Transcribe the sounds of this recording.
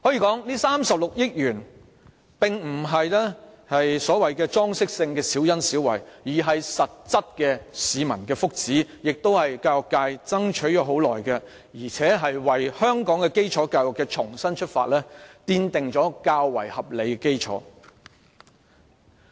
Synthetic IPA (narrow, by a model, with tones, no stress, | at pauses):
hɔː˨˥jiː˨˧kɔː˨˥ŋliː˥saː˥msɐ˨p̚lʊ˨k̚jɪ˥k̚jyː˨˩n | pɪ˨ŋm̩˨˩ɦɐ˨jlɛː˥ | hɐ˨jsɔː˨˥wɐ˨jkɛː˧t͡ʃt͡sɔː˥ŋsɪ˥k̚sɪ˧ŋkɛː˧siː˨˥wjɐ˥nsiː˨˥wɐ̰˨˩jjiː˨˩ɦɐ˨jsɐ˨t̚t͡sɐ˥t̚kɛ˧siː˨˧mɐ˨˩nkɛː˧fʊ˥k̚t͡siː˨˥jɪ˨k̚t̪o˥whɐ˨jkaː˧wʊ˨˩kːaː˧jt͡sɐ˥ŋt͡ʃʰɵ˨˥ɥjɔː˨˥ɦo˨˥wlɔ̰ː˨˩jkɛ˧ | jiː˨˩t͡sʰɛː˨˥ɦɐ˨jwɐ˨˩jhœː˥ŋkɔː˨˥ŋkɛː˧ke˥jt͡ʃʰɔː˨˥kaː˧jwɐ˨˩kːɛ˧t͡ʃʰʊ˨˩ŋsɐ˥nt͡ʃʰɵ˥t̚faː˧t̚lɛː˥t̪iː˧nt̪ɪ˨ŋt͡ʃɔː˨˥kaː˧wːɐ̰˨˩jhɐ˨p̚le˨˧jkɛ˧ke˥jt͡ʃʰɔ̰ː˨˥